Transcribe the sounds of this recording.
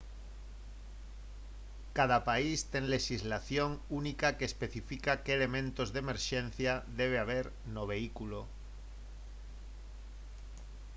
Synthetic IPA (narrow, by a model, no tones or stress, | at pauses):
kaðapaist̪eŋleʃizlaθjoŋunikakeːspeθifikakeeːlemẽnt̪ozðemeɾʃẽn̟θjaðeβ̞eaβ̞eɾ | noβ̞eikulo